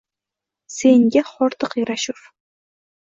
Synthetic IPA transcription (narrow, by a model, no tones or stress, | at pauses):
seŋɡʲaχɒɾt̪ɨqjaɾaʃʊf